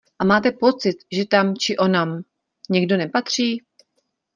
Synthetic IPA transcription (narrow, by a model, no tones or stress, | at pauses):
ʔamaːt̪ɛpo̞t͡sɪt̪ʒɛt̪amt͡ʃɪʔonam | ɲɛɡdo̞nɛpat̪r̝̥iː